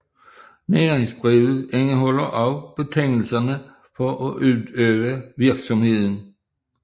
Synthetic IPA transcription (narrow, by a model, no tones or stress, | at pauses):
neːʁeŋsb̥ʁiʊð̩ˠeŋəɦɔ̽lɐʔɒʊb̥e̝t͡sʰeŋ̰l̩sɐnə | fɒʔɒʔy̥øʋəʋiɐɡ̥sɒ̽mhe̝ð̞̰ˠn̩